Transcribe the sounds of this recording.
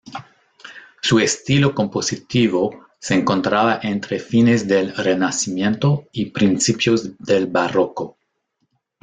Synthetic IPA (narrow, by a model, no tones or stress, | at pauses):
suest̪iloko̞mposit̪iβo | seːŋkõnt̪ɾaβaʔent̪ɾefinezd̪elrenasimjẽnt̪oipɾinsipjozd̪elbaroko